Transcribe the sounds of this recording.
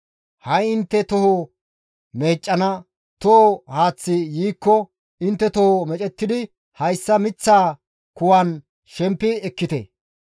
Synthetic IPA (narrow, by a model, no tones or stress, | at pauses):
hɐjɪnt̪ːɛt̪ɔho | me̞ːt͡ʃʼːɐnɐ | t̪ɔhohaːt͡sːɪjiːkːɔ | ɪnt̪ːɛt̪ɔhomɛt͡ʃʼɛt̪ːɪd̪ɪ | hɐjsːɐmɪt͡sːaː | kʊwɐn | ʃɛmpːɪɛkːɪt̪ɛ̰